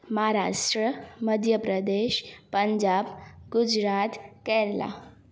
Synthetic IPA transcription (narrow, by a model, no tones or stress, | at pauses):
məɦaɾa̰ʂʈɾəməd̪ʱjəpɾəd̪eʃpəɲd͡ʒabɡud͡ʒɾat̪kɛɾla̰